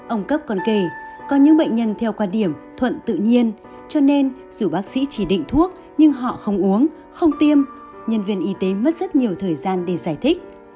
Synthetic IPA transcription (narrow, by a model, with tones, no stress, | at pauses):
ʔə˧wŋ͡mkə˦˥p̚kɔ˨˩nke˧˩kɔ˨˦ɲɨ̰˧˥ŋɓə̰˧˨ŋ̟ɲə˧nt̪ʰɛ˧wkwaː˧nɗi˧˩əmt̪ʰwə̰˧˨nt̪ɨ̰˧˨ɲi˧ən | t͡ɕɔ˧ne˧n | zu˧˩ɓaː˦˥k̚sḭ˧˥t͡ɕi˧˩ɗḭ˧˨ŋ̟t̪ʰu˦˥ək̚ | ɲɨ˧ŋɦɔ̰˧˨xə˧wŋ͡mʔu˨˦əŋ | xə˧wŋ͡mt̪i˧əm | ɲə˧nvi˧ənʔi˨˦t̪e˨˦mə˦˥t̚z̥ə˦˥t̚ɲi˨˩əwt̪ʰəː˨˩jzaː˧nɗe˧˩zaː˧˩jt̪ʰï˦˥k̟̚